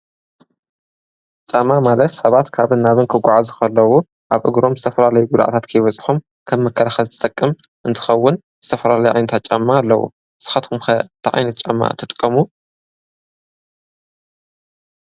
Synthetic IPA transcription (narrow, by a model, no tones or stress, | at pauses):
t͡ʃʼamːamalɐt̪sɐβat̪kʰaβɨnːaβɨnkʰɨɡʷaʕazuxɐlːɐwu | ʔaβʔɨ̰ɡɾo̞mzɨ̥t̪ʰɐfɐlalɐjuɡʊd̪a̰ʔa̰t̪ʰat̪kʰɐjβɐt͡sʼħum | kʰɐmːɐkʰːɐlaxɐlt̪ʰɨ̥t̪ʼɐkʼːɨm | ʔɨnt̪ʰɨ̥xɐwːʊn | z̥ɨ̥t̪ʰɐfɐlalɐjuʕa̰jnɐt̪ʰat͡ʃʼɐmːaːlːɐ̰wṵ | sɨ̥xat̪kumxɐt̪ʰɨʕʔa̰jnɐt̪̚t͡ʃʼɐmːa̰t̪ʰɨt̪ʼkʼːɐmu